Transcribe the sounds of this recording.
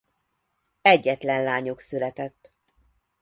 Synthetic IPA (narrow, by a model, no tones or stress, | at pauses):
ɛɟːɛt̪lɛnlaːɲo̞ksylɛt̪ɛt̪ː